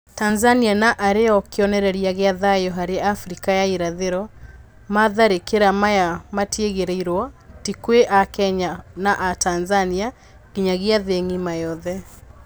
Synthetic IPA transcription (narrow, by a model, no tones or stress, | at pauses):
tanzanianaʔaɾeɔkeɔnɛɾɛɾiaɣeaðajɔɦaɾeafɾikajaiɾaðeɾɔ | maðaɾekeɾamajamatjeɣeɾeiɾwɔtikweʔakɛɲanaʔatanzania | ɣiɲaɣeaðeŋimajɔðɛ